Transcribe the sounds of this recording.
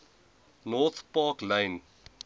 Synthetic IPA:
nɔθpɑːklẽɪn

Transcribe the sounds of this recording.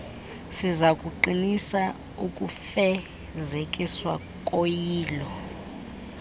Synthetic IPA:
sizakʼuǃinisa | ukʼufɛ | zekʼiswa | kʼojiːlɔ

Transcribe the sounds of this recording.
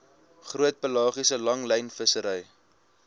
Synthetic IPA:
χruət̚pəlɑːχisəlɐŋlɛjnfəsəɾəj

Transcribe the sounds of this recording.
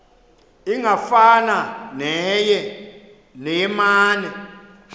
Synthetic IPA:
iŋafananɛjɛ | nɛmaːnɛ

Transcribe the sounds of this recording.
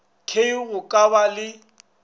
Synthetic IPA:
kʰeiɣʊkʼaβalɪ

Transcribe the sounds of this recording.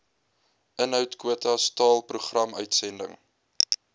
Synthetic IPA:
ənɦœwtkwuətɐstɑːlˠpruχrɐmœɥtsɛndə̰ŋ

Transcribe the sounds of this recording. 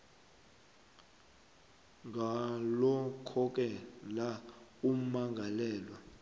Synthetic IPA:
ŋɡʱalɔkʰɔk̬ʼɛlaumaŋɡʱalɛːlwa

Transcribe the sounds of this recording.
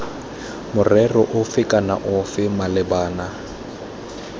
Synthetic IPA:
mʊrɛrɔʔʊfɪkʼana̰ʔʊfɪmalɪbaːna

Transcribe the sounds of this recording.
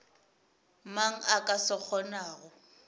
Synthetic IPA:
maŋ̩akʼasɔk͡xʰɔnaːɣʊ

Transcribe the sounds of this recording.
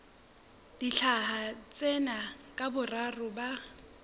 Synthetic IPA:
d̥iɬʰaɦat͡sʼɛnakʼabʊrarʊba

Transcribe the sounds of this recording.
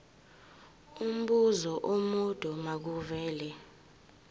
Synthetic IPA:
um̩ɓuzɔʔomud̥ʱɔmak̬uvɛːlɛ

